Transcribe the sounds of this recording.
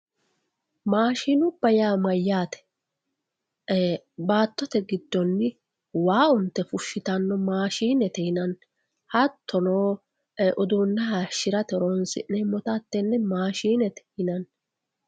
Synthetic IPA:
maːʃiːnʊbːɐjaːmɐjːaːt̪ɛ̥ | baːt̪ːɔt̪ɛɡɪd̪ːɔnːɪ | waːʊnt̪ːɛfʊʃːɪt̪ɐnːɔmaːʃiːnɛt̪ɛhɪnɐn | hɐt̪ʰːɔnoː | ʔɔd̪uːnːɐɦaʃɪɾɐt̪ɛɾonsɪ̰ʔnɛmɔt̪at̪ːɛnːɛmaːʃiːnɛt̪ɛ̥hɪnɐn

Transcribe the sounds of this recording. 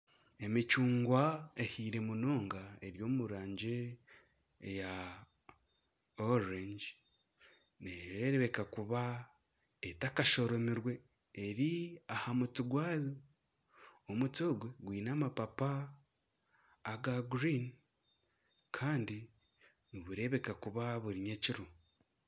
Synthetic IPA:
e̞mit͡ʃuːŋɡwae̞hiːɾe̞muno̞ːŋɡae̞ɾjo̞ːmuɾaːɲɟe̞ | ja | oɾeɲd͡ʒ | nejeɾeβekakuβa | etakaʃo̞ɾo̞miɾwe̞ː | ɾiahamutiɡwaːzo | omutoɡwe̞ɡwiːnaːmapapa | ɡaɡɾin | kʰaːndi | niβuɾe̞βe̞kakuβaβuɾiɲeciɾu

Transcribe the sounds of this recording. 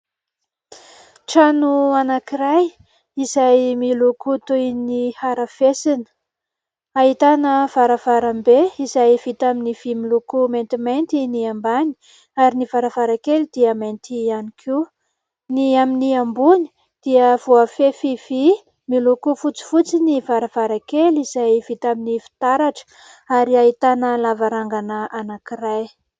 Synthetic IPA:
ʈ͡ʂanuanakiɾaj | izajmilukut̪unihaɾafesinə̥ | aɦit̪anəv̥aɾəv̥aɾambeizajvit̪aminiv̥imilukumant̪imajnt̪iniambani̥ | aɾinivaɾəvaɾakelid̪̥iəmajnt̪ianikʰi | niaminiambuɲi̥ | d̪̥iəvuafefivi | milukufut͡si̥fut͡sinivaɾav̥aɾakeliz̥ajv̥it̪aminifi̥t̪aɾaʈ͡ʂə̥ | aɾiaɦit̪anəlavaɾaŋɡanəanakiraj

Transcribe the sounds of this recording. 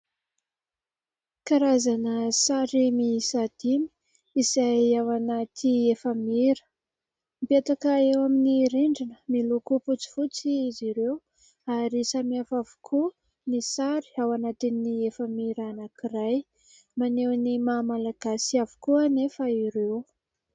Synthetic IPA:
kaɾazanəsaɾimisad̪̥imi̥ | izajawanat̪iefəmiɾə̥ | mipet̪akəewaminiɾeɳɖ͡ʐinə̥milukuput͡si̥fut͡siːziɾew | aɾisamiafavu̥kʰu | nisaɾi̥awanat̪iniefəmiɾanakiɾaj | manewnimamalaɡ̥asiavu̥kuanefaiɾew

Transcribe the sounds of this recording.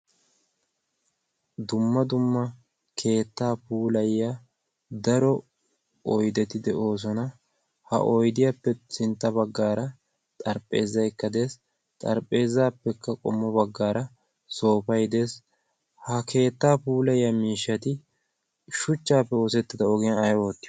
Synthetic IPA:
d̪ʊmːɐd̪ʊmːɐ | kʰe̞ːt̪ːaːpuːlɐjja | d̪ɐɾɔ | ɔjd̪ɛt̪ɪd̪ɛʔo̞ːs̬ɔnɐ | hɐ̰ʔɔjd̪ɪjaːpːɛsɪnt̪ːɐbɐɡːaːɾɐ | t̪ʼɐɾpʼːe̞ːzːɐjɪkːɐd̪e̞ːs | t̪ʼɐɾpʼːe̞ːzːaːpːɛkːɐkʼɔ̰mːɔbɐɡːaːɾɐ | so̞ːpɐjd̪e̞ːs | hɐkʰe̞ːt̪ːaːpuːlɐjjamiːʃːɐt̪ɪ | ʃʊt͡ʃːaːpːɛo̞ːsɛt̪ːɪd̪ɐɔɡɪjɐnɐjoːt̪ːɪ

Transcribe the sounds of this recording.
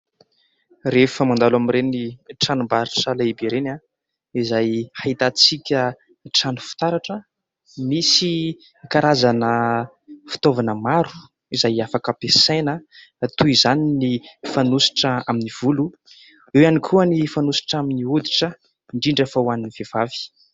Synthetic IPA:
refəmand̪alamiɾeniʈ͡ʂanumbaɾiʈ͡ʂəlaibeɾena | izajhait̪at͡sikʲə | ʈ͡ʂanu̥fi̥t̪aɾaʈ͡ʂə | misi | kaɾazanə | fi̥t̪ovanəmaɾu̥ | izajafakəpesenə | t̪uizaninifanusi̥ʈ͡ʂəaminiv̥ulu | ewanikʰuənifanusi̥ʈ͡ʂaminiud̪iʈ͡ʂə | iɳɖ͡ʐiɳɖ͡ʐafawaniniv̥ev̥avi̥

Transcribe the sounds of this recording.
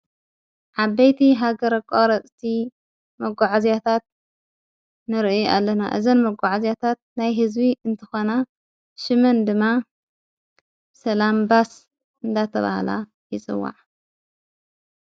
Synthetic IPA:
ʕaβbɐjt̪ʰiɦaɡɐɾɐkʼoɾɐt͡sʼt̪ʰi | mɐɡʷaʕazjat̪ʰat̪̚ | nɨɾʔja̰lːɐna̰ʔɨzɐnmɐɡʷaʕazjat̪ʰat̪̚najɦɨzbiɨnt̪ʰɨxona | ʃɨmɐnd̪ɨmːa | sɐlambas | ʔɨnd̪at̪ʰɐ̰βa̰hla̰ | jɪt͡sʼɨ̰wːa̰ʕ

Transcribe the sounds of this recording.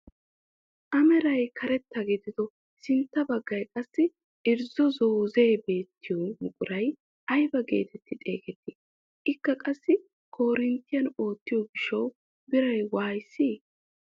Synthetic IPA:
ʔɐmɛɾɐjkʰɐɾɛt̪ːɐɡɪd̪ɪd̪ɔ | sɪnt̪ːɐbɐɡːɐjkʼɐsːɪ | ʔɪɾzɔzoːze̞ːbe̞ːt̪ːɪjomʊkʼʊɾɐj | ʔɐjbɐɡḛːt̪ʰɛt̪ːɪt̪ʼe̞̰ːkʼɛt̪ːɪ | ʔɪkːɐkʼɐsːɪ | kʰo̞ːɾɪnt̪ːɪjɐno̞ːt̪ːɪjɔbɪʃɐw | bɪɾɐjwaːjsːiː

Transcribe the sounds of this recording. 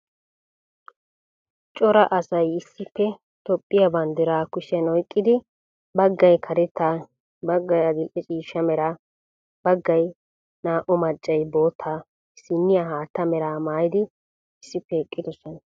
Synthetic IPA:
t͡ʃʼɔɾɐʔɐsɐjɪsːɪpːɛ | t̪ɔpʼːɪjabɐnd̪ɪɾaːkʊʃɛnɔjkʼːɪd̪ɪ | bɐɡːɐjkʰɐɾɛt̪ːa | bɐɡːɐjɐɡɪlʔɛt͡ʃʼiːʃːɐmɛɾɐ | bɐɡːɐj | naːʔɔmɐt͡ʃʼːɐjbo̞ːt̪ʰːaː | sɪnːɪjaɦaːt̪ːɐmɛɾaːmaːjɪd̪ɪ | ɪsːɪpːɛɛkʼːɪd̪ɔsɔn

